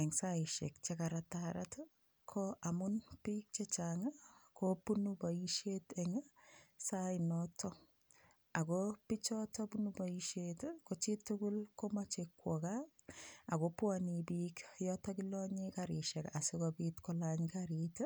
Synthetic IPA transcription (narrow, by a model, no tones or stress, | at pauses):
ɛŋsaɪʃɛ̰k̚t͡ʃekaɾataɾa̰t | kʰɔamunpik̚t͡ʃet͡ʃaŋakopunubɔiʃetɛŋasainɔtʰɔ | akopit͡ʃɔtɔpunubaiʃetkot͡ʃitːukulkomat͡ʃekwɔka | akopwanipikjɔtɔkilɔɲikaɾɪʃɛkasikɔpitkɔlaɲkaɾita